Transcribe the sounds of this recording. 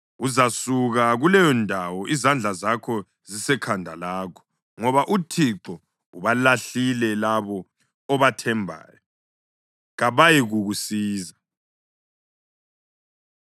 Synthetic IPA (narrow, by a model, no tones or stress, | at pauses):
uzasuɣaɣulɛjɔndʱawɔʔizand͡ɮʱazakʰɔ | zisɛkʰandʱa̰laːkʰɔ̥ | ŋɔβaʔutʰiǃɔ | uβalaɬilɛlaβɔ | ɔβatʰɛmbʱa̰ːjɔ | ɣaβajiɣuɣusiːza